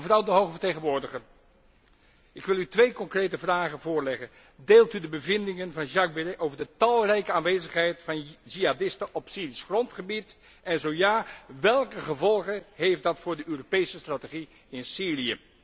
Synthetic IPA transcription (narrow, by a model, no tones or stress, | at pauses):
vrɑwdəɦowχvəɹtejχənʋʊːɹdəχər | ɪkʋɪlˠytʋejkɔŋkrejtəvraːχənvʊːɹlɛχən | deːlˠtydəbəvɪndɪŋənvɑnʒɑk̚bɪreʔowvəɹdətɑlˠrɛjkəaːnʋejzəχɦɛjtfɑnʒiadɪstəʔɔpsiːrisχrɔntχəbit | ɛnzowjaːʋɛlˠkəχəvɔlˠχəɦejfdɑtfʊːɹdəʔøːropejsəstrateχi | ɪnsiːlijə